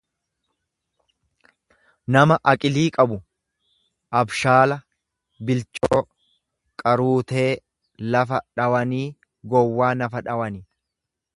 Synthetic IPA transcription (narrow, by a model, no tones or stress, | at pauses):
nɐmɐʔɐkʼɪliːkʼɐbʊ | ʔɐbʃaːlɐ | bɪlt͡ʃʼoː | kʼɐɾuːt̪e̞ː | lɐfɐᶑɐwɐniː | ɡɔwːaːnɐfɐᶑɐwɐnɪ